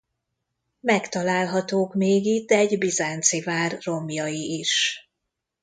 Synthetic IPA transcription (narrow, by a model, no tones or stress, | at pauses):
mɛkt̪ɒlaːlɦɒt̪oːkmeːɡit̪̚ːɛɛɟbizaːnt̪sivaːrːo̞mjɒjiiʃ